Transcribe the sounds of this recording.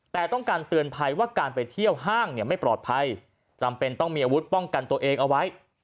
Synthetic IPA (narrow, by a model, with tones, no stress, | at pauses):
t̪ɛː˨˩t̪ɔ˥˩ŋkaː˧nt̪ɯ˧ənpʰa˧jwaː˥˩kaː˧npa˧jt̪ʰi˥˩əwɦaː˥˩ŋni˥˩əma˥˩jpɾɔː˨˩t̪̚pʰa˧j | t͡ɕa˧mpe˧nt̪ɔ˥˩ŋmiː˧ʔaː˧wu˦˥t̪̚pɔ˥˩ŋka˧nt̪u˧əʔeː˧ŋʔa˧wa˦˥j